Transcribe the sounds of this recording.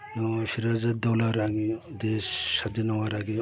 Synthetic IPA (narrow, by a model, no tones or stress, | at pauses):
siɾazat̚d̪ɔlaɾaɡid̪esːad̪inɔwaɾaɡi